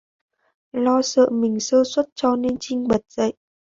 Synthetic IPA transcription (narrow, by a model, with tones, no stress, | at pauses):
lɔ˧sə̰ː˧˨mï˨˩ŋ̟səː˧swə˦˥t̚t͡ɕɔ˧ne˧nt͡ɕï˧ŋ̟ɓə˨˩t̚z̥ə̰˧˨jʔ